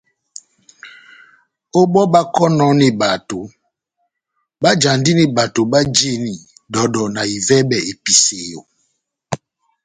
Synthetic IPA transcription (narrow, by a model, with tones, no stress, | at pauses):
o˦ɓɔ˦ɓa˦kɔ˦nɔ˨˦ni˨ba˨to˨ | ɓa˦d͡ʒa˨ndi˦ni˨ba˨to˨ɓa˦d͡ʒe˦ni˨ | dɔ˨ɗɔ˨na˨i˨vɛ˦bɛ˨e˨pi˨se˨jo˨